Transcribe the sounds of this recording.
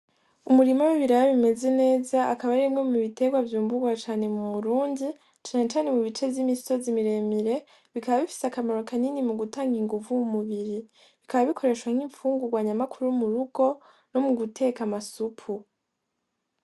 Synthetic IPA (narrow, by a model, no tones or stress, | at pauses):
umuɾimawiβiɾaɾaβime̞ze̞ne̞ːzaːkaβaɾemŋe̞muβite̞ɡwavjuːmbuɡwat͡ʃaːne̞muβuɾuːndi | t͡ʃaːne̞t͡ʃaːne̞muβit͡ʃe̞vjimisi̥so̞zimiɾe̞ːmiɾe̞ | βikaβaβifi̥seakamaɾo̞kaninimuɡutaːŋɡiŋɡuvujumuβiɾi | βikaβaβikʰo̞ɾe̞ːʃwaŋ̥iɱfuːŋɡuɡwaːɲamakʰuɾujumuɾuɡ̥o̞ | no̞muɡutʰe̞ːkamasupʰu